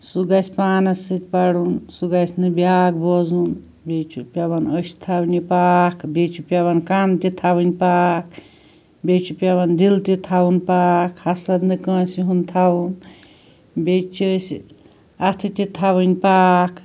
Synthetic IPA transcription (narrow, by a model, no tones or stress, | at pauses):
suɡasʲpaːnɐsɨt̪ʲpaɽunsuɡasʲnɨbjaːɡ̚bɔzun | bet͡ʃʰupʲjabanəsi̥t̪ʰawnʲipaːkʰbet͡ʃʰupʲjaβankant̪it̪ʰabɨnʲpaːk̚ʰ | bʲet͡ʃʰupʲjaband̪ilt̪it̪ʰawunpaːkʰhɐsɾɐd̪nɨkɐ̃ːsiɦunt̪ʰawun | bʲet͡ʃʰəs | at̪ʰit̪it̪ʰabɨnʲpaːkʰ